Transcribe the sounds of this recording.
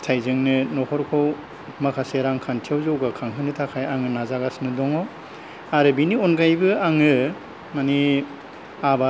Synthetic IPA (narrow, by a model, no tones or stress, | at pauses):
tʰajzɯŋnɯnɔkɔɾkʰow | makʰaseɾaŋkʰantʰiawzawɡakʰaŋɦɯnɯtʰakʰajaŋɯnazaɡasnɯdɔŋɔ | aɾɯbinionɡajbɯaŋɯ | mani | aba